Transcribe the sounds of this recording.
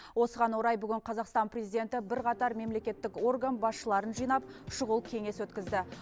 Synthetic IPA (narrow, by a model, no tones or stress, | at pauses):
wo̞səʁɑnwo̞ɾɑjbʏɡʲɪɴqʰɑzɑqst̪ɑnprʲezijd̪e̞nt̪ɪbɪɾqʰɑt̪ɑɾme̞mle̞kʲe̞t̪ːɪko̞rɡanbɑsʃəlˠɑɾənʒijnɑp̚ʃʊʁəlˠkʲʰe̞ŋe̞swɵt̪kʲɪzd̪ɪ